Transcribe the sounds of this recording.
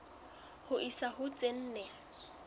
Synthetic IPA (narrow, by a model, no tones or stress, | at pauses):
hʊʔisahʊt͡sʼen̩ːnɛ